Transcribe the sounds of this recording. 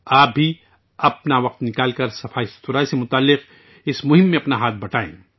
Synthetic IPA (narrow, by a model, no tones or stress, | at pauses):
aːp̚bʱi | ɐpnaʋɐq̚t̪nɪkaːlkɐɾsɐfʰaːist̪ʊɾaːisemʊt̪aːlːɪq | ɪsmʊɦɪ̃mːẽɐpnaɦaːt̪̚ʰbɐʈʰaːḛ̃ː